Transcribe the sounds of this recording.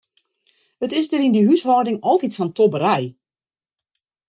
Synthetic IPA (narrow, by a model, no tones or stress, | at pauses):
hətɪsdəɾindiɦyshɔːdɪŋɔlˠtitfɔntʰɔbəɾɛj